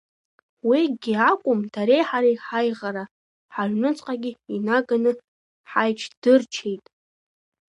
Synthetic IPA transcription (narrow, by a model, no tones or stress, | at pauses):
wiɡʲiakʷʼʊmdaɾe̞jħaɾijħajʁaɾa | ħaʕʷnɨt͡sʼqʼaɡʲiinaɡanɨ | ħajt͡ʃʰd̥ɨrt͡ʃʰe̞jtʼ